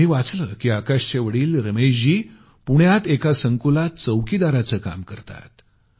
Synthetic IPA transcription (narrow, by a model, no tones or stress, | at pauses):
iːʋat͡sləːkiːakaɕt͡ɕeʋəɽiːlɾəmeɕd͡ʑiː | puɳ̃jat̪ekasəŋkulat͡səwkiːd̪aɾat͡səːka̰mkəɾt̪a̰t̪